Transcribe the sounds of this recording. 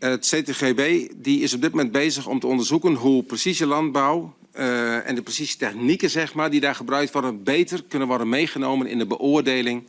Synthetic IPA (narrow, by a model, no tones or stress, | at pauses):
ətseːtexebeːdiɪsɔb̚dɪt̚momɛnd̚bejzəxɔ̰mtəɔndərzukənɦuprəsisjəlɑnd̚baw | ɛ̰ndəprəsisə̥tɛxnikənzɛxmaːɹdidaːɹχəbrœɥk̚tʋɔɹdənbeːjtərkʏnənʋɔrdənmejχənowmənɪ̰ndəbəʔoərdeːlɪŋ